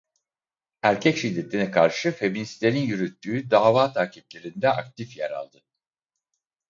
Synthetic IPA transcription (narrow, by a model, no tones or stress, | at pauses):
æɾcʰɛcʃid̪ːe̞t̪ʰinɛkʰaɾʃɯfe̞minst̪eninjyɾyt̪ʰːyːd̪aːvaːt̪ʰaːcʰip̚lʲe̞ɾind̪ɛʔak̚t̪ʰifjɛɾa̰lˠd̪ɯ